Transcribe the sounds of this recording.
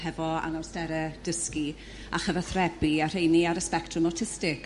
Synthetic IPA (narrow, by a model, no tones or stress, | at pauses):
hɛvɔa̰nawstɛɾɛd̥əski | aχəvaθrɛbiar̥ejniaɾəspɛktʰrʊmɔtʰɪstɪk